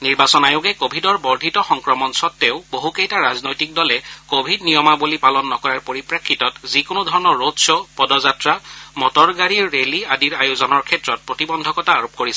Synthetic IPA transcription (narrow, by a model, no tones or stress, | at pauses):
niɹbasɔnajʊɡɛkobʱidɔɹbɔɹdʱitɔxɔŋkɹɔmɔnsɔtːeʊboɦukejtaɹaznojtik̚dɔlɛkobʱidnijɔmabulipalɔnːɔkɔɹaɹpoɹipɹakʰːitɔtzikʊnʊdʱɔɹɔnɔɹodsɔpɔdɔzatɹamɔtɔɹɡaɹiɹːeliadiɹajuzɔnɔɹkʰɛtɹɔt̚pɹotibɔndʱɔkɔtaːɹop̚koɹisɛ